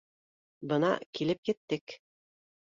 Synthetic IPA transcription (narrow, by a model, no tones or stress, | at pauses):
bɤnɑ̰kilɘp̚kit̪ːɘk